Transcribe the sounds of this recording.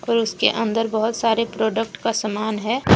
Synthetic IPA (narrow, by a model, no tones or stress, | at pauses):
ɔːɾʊskeʔə̃nd̪əɾbəɦʊt̪saːɾepɾoːɖək̚ʈkasəmaːnɦɛː